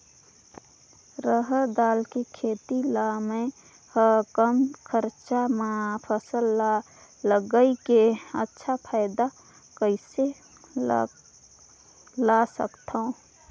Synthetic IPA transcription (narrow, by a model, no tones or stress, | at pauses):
ɾəɦəd̪aːlkekʰeːt̪ilamẽ | həkəmkʰəɾt͡ʃamapʰəsəl | ləɡəikeə̰tːʃʰapʰaːɪd̪a | kəɪse | lasə̰kt̪ʰaõ